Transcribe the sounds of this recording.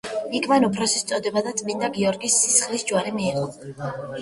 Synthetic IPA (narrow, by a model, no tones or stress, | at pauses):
ikʰvanɔpʰɾɔsist̪sʼɔd̪ɛbad̪at̪sʼmind̪aɡiɔɾɡisːisχlisd͡ʒwaɾimiːʁɔ